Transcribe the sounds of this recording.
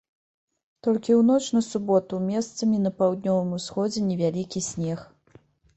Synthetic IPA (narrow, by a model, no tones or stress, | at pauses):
t̪ɔlʲkʲiwnɔt͡ʂnɐsubɔt̪umʲɛst̪sɐmʲinɐpawd̪̚nʲɔvɨmusxɔd͡zʲɛnʲɛvʲalʲikʲisʲnʲɛx